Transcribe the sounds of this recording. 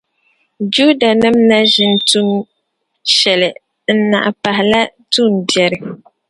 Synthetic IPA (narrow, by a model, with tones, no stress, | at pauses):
d͡ʒu˦da˨nɨ˦mna˦ʒɪ˦n˦tu˦n | ʃɛ˨lɪ˨ | n̩˦na̰˨ʔa˨pa˨hɪ˨la˦tu˦˨ndjɛ˨ɾɨ˦